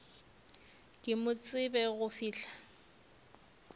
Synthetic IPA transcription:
kʼɪmʊt͡sʼɪbɛɣʊfiːɬḁ

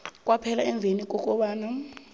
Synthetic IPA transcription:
k̬ʼwapʰɛlaɛɱbvʱenik̬ʼɔkʼɔɓaːna

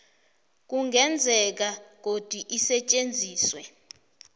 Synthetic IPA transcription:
k̬uŋɡɛnd͡zʱɛk̬ak̬od̥ʱiʔisɛt͡ʃʼend͡zʱiːswɛ

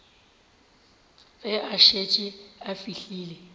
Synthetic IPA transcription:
ɛʔaʃet͡ʃʼɪafiɬiːle

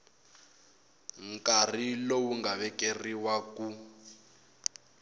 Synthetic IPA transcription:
ŋ̩kʼarilowuŋɡaβɛkʼeriwaku

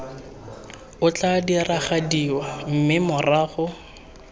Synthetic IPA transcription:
ʊt͡ɬʼadiraχadiwam̩mɪmʊraːχʊ

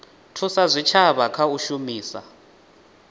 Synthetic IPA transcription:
tʰusazʷit͡ʃʰaβakʰauʃumiːsa̰

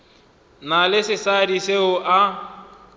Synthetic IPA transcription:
nalɪsɪsadiseʊʔa

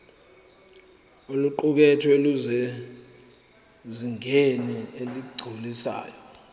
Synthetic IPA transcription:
uluǃuk̬ɛtʰɔeluzɛ | ziŋenieliɡ͡ǀʱulisa̰ːjɔ

